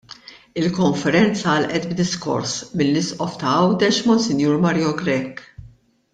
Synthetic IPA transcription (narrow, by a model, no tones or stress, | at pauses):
ɪlkɔɱfɛɾɛnt͡sɐɐlʔɛt̪bd̪ɪskɔ̰ɾsmɪlːɪsʔɔft̪ɐɐwd̪ɛʃmɔnsɪnjuːɾmɐɾijɔɡɾɛkː